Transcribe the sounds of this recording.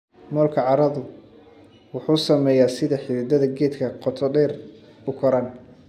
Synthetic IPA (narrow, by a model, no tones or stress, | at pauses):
mɔːlkʰɐʕɑɾɐðʊ | wʊħuːsɐmɛːjaːsɪðɐħɪɾɪd̪ɐðɐɡɛːd̪kʰɐqɔt̪ʰɔdɛːr | ʊkʰɔɾan